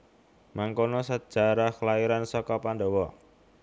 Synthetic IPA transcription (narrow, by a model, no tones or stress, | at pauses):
maŋkonɔsəd̥ʒ̥a̤ɾakəlaiɾansɔkɔpandɔwɔ